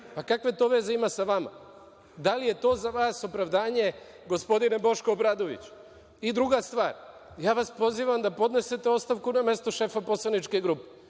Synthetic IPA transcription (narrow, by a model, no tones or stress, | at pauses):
pakakʋe̞t̪o̞ːʋe̞ze̞imasaʋama̰ | d̪alije̞t̪o̞ːzaʋaːso̞pɾaʋd̪aːɲe̞ | ɡo̞spo̞d̪ine̞bo̞ʃkoːbɾaːd̪o̞ʋḭt͡ɕu̥ | id̪ɾuɡast̪ʋaːɾjaːʋaspo̞ziʋamd̪apo̞d̪ne̞se̞t̪e̞o̞t̪st̪aʋkuname̞st̪o̞ʃe̞ːfapo̞slˠanit͡ʃke̞ɡɾupe̥